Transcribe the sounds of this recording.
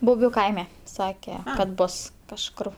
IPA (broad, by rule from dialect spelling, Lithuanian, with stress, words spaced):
bʊˈbʲuː ˈkɐɪmʲɛ ˈsɑːkʲɛ kɐt ˈboːs kɐʃˈkʊr